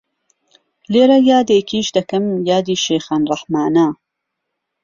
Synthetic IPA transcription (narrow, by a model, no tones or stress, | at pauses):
leːɾɐjaːd̪eːkʰiːʃd̪ɐkɨmjaːd̪iːʃeːxaːnrˤɑħmaːna